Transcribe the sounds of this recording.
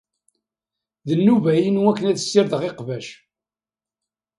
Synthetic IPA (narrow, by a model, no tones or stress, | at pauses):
ðənːuvæjənwækːənæðəsːiɾðəʁeqvæʃ